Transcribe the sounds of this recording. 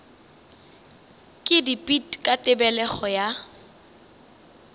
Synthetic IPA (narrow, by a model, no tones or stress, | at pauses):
kʼɪdipʼitkʼatʼɪbɛlɛχɔja